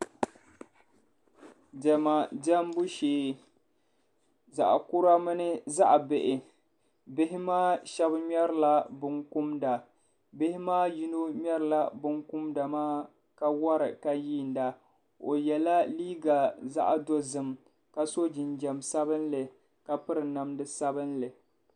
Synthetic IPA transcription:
dɛ˨ma˨dɛ˦mbu˦ʃeː˦ | za̰˨ʔku˦ɾa˦mɨ˦nɨ˦za˦ʔbɪ˨ʔɪ˨ | bɪ˦ɦɪ˦maː˦ʃɛ˦bɲɛ˦ɾɨ˦la˦bɨ˦ŋku˦mda˨ | bɪ˦hɪ˦maː˦ji˦no˦mʲ˦ɛ˦ɾɨ˨la˦bɨ˦ŋkʊ˦mda˨maː˦ | ka˨wɔ˦ɾɨ˨ka˨jiː˦˨n˨da˨ | o˨jɛ˨la˦liː˦ɡa˨za̰˦ʔa˨do˦zɨ˨m | ka˨so˦d͡ʒɪ˨nd͡ʒɛ˨msa˦βɨ˦nlɨ˨ | ka˨pɨ˦ɾɨ˨na˨mdɨ˦sa˦bɨ˦nlɨ˨

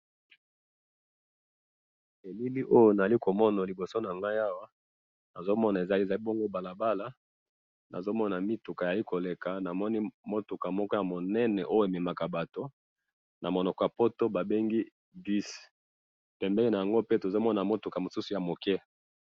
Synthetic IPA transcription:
e˨li˦li˦ʔo˦jo˨na˨za˨li˦ko˨mɔ˦na˨li˨bo˨so˦na˨ŋɡa˦ja˦wa˦ | na˨zo˦mɔ˦na˨e˨za˨i˦˨za˨li˦bo˦ŋɡo˦ba˨la˨ba˦la˦ | na˨zo˦mɔ˦na˨mi˦tu˨ka˨ja˨li˦ko˨le˨ka˨na˨mɔ˦ni˦mo˦tu˨ka˨mɔ˦kɔ˦ja˨mo˨nɛ˦nɛ˨ʔo˦jo˦˨e˨me˨ma˨ka˨ba˨to˦ | na˨mo˨nɔ˨kɔ˨ja˨po˦to˦ba˨be˦ŋɡi˦ | di˦s | pɛ˨mbɛ˦li˦na˨a˨ŋɡo˦pe˦to˨zo˦mɔ˦na˨mo˦tu˨ka˨mo˨su˦su˨ja˨mo˨kɛ˦

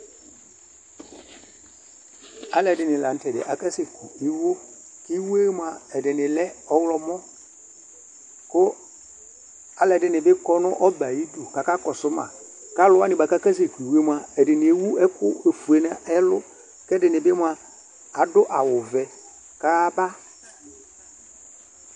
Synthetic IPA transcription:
a˨lɛ˨dɪ˨nɪ˨la˨n̩˦tɛ˨dɪ̰˨ʔa˨ka˦sɪ˨kʊ˨i˦wo˦ | kɪ˦we˦mʊ˨a˨ɛ˨dɪ˨nɪ̃˨lɛ˦ɔ˦wlɔ˦mɔ˦ | kʊ˦ | a˨˦lɛ˨dɪ˨nɪ˨bɪ˦kɔ˦nʊ̃˦ʔɔ˦ba˨ji˦do˨ka˨ka˦kɔ˨sʊ˦ma̰˨ | ka˦lʊ˦a˦nɪ˨ba˨ka˦ka˦s̬e˨ki˨we˦mʊ˨a˨ɛ˨dɪ˨nɪ˨e˨wu˦ɛ˦kʊ˦e˨fu˨e˨na˦ɛ˦lʊ̰˦ | kɛ˦dɪ˨nɪ˨bɪ˦mʊ˦a˨ | a˨dʊ˦ʔa˨wʊ˨vɛ˨ | ka˦ba˦

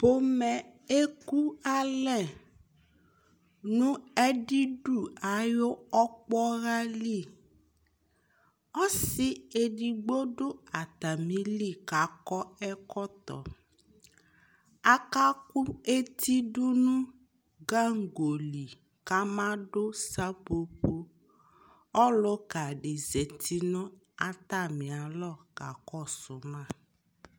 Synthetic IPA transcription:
po˦mɛ̃˨e˦ku˦a˦lɛ˦˨ | nũ˦ɛ˦ɖi˦ɖu˨a˨jo˦ɔ˦k͡pɔ˦ɣa˦li˦˨ | ɔ˦si˦e˨ɖi˨ɡ͡bo˦ɖo˦a˨t̪a˨mĩ˦li˦˨ka˨˦kɔ˦ɛ˦kɔ˦t̪ɔ̰˨ | a˨ka˦kʊ˦e˦ti˦dʊ˦nʊ̃˦ | ɡa˦ŋ̩˨ɡo˨li˨ | ka˦mã˦ɖʊ˦sa˦po˦po˦ | ɔ˦lʊ˦ka˨ɖɪ˨ze˨tʰi˦nʊ̃˦ | a˦t̪a˦˨mɪ̃˨a˨lɔ˦˨ka˨kɔ˦sʊ˨mã˦˨

